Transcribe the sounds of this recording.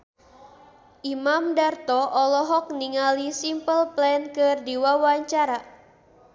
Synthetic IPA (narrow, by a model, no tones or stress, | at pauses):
ʔimamdart̪ɔʔɔlɔɦɔk̚niŋalisimpəlplɛnkɨrdiwawaɲt͡ʃaɾa